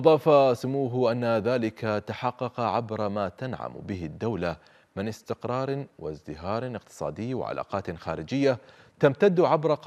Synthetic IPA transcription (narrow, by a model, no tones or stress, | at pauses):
ʔɑðˤɑːfasʊmuːɦʔanːaðaːlɪkat̪aħɑqːɑqɑʕabɾˤmaːt̪anʕa̰m̰bɪɦɪd̪ːawla | mɪnɪst̪ɪqɾˤɑːɾˤwɪ̰zd̪ɪɦɑːɾˤɪqt̪ɨ̥sˤɑ̰ːd̪ɪjːwɪ̰ʕa̰la̰ːqɑːt̪xaːɾɪd͡ʒɪjːat̪amt̪ad̪ːʕabɾˤɑq